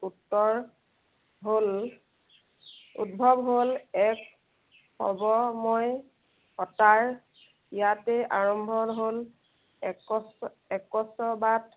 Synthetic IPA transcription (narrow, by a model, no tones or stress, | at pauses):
utːɔɹ | ɦol | ṵt̚bʱɔbɦolɛk | xɔ̰bɔmoj | xɔtaɹ | ijatɛʔaɹɔmbʱɔɹɦol | ɔs | ɛkɔsɔbat